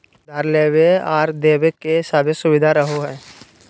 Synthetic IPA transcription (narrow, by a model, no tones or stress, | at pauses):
d̪aɾleːʋeaːɾd̪eːʋekesaːbʱesʊʋɪd̪ʱaɾəɦoɦɛː